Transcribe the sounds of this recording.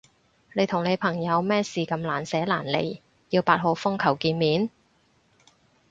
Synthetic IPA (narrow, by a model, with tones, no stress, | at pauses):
ne˨˧jt̪ʰʊ˨˩ŋne˨˧jpʰɐ˨˩ŋjɐ˨˧wmɛː˥siː˨kɐ˧mlaː˨˩nsɛː˨˥laː˨˩nlḛ˨˩j | jiː˧wpaː˧t̚ho˨˧wfʊ˥ŋkʰɐ˨˩wkiː˧nmiː˨˥n